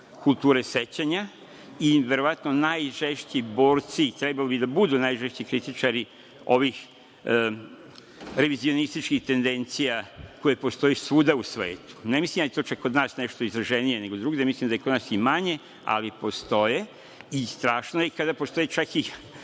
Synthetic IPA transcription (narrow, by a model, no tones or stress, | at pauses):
kulˠt̪uːɾese̞t͡ɕaɲa | iʋe̞ɾo̞ʋat̪nonajʒeʃt͡ɕibo̞ːɾt̪sit̪ɾebalobid̪abud̪unajʒeʃt͡ɕikɾit̪it͡ʃaɾi | o̞ʋix | ɾe̞ʋizio̞nist̪it͡ʃkixt̪e̞nd̪e̞nt̪sijako̞jepo̞st̪o̞jesuːd̪ausʋe̞̰ːt̪u̥nemislimjaet̪o̞ːt͡ʃakːod̪naːsneʃt̪o̞izɾaʒenije̞neɡo̞d̪ɾuːɡd̪emislimd̪ajekod̪nasimaɲe̞ | a̰lipo̞st̪o̞je̞ | ist̪ɾaːʃnojekad̪apost̪o̞jet͡ʃaki